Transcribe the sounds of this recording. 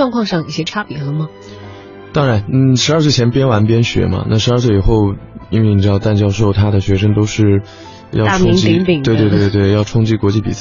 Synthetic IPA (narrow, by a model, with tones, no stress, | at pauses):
wɑ˥˧ŋkʰwɑ˥˧ŋʂɑ˥˧ŋi˥˩ɕjɛ˥ʈ͡ʂʰa˥pjɛ˨˩˥lə˧˩mɐ˩ | t̪ɑ˥ŋɻa˧˥nn̩˥˩ʂɻ̩˧˥ɐ˞˥˧swe˥˩t͡ɕʰjɛ˧˥npjɛ˥nwa˧˥npjɛ˥nɕɥɛ̰˧˥mɐ̰˧na̰˥˩ʂɻ̩˧˥˧s̬we˥˩ɪi˨˩xo˥˩ʊi˥nwe˥˩ni˨˩ʈ͡ʂɻ̩˥d̪ɑ˧ʊt̪a˥˩nt͡ɕjɑ˥ʊʂo˥˩ʊt̪ʰa˥d̪ə˨ɕɥɛ˧˥ʂ̬ɤ˥ŋt̪o˥ʊʂɻ̩˥˩ | jɑ˥˧ʊ˥˩ʊ˥i˧ŋ˥ŋt͡ɕii˧˥ŋi˨˩ŋwe˥˧t̪we˧t̪e˥˧˩twe˥˩ɪjɑ˥˩ʊʈ͡ʂʰʊ˥ŋt͡ɕi˥kwɔ˧˥t͡ɕi˥˩pi˨˩t͡s